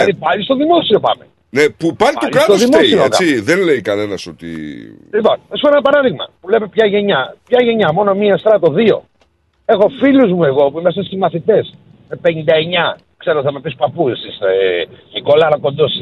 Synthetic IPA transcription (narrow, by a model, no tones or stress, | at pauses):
ɐðipɐlist̪oðimo̞sio̞pɐ̰me̞̰ | nepupɐliɐt̪olikɾɐtsosðimosioekɐiðenleikɐne̞nɐso̞t̪ḭ | lipo̞nθɐsupoenɐpɐɾɐðiɣmɐpule̞me̞pçɐʝe̞ɲɐpçɐʝe̞ɲɐmo̞no̞miɐest̪ɾɐt̪o̞ðio̞̰ | e̞xo̞filuzmue̞ɣo̞puimes̬ɐsimɐθit̪e̞s | mepe̞nid̪ɐeɲɐ | kse̞ɾoθɐmepispɐpusiseniko̞lɐɾɐko̞nd̪o̞s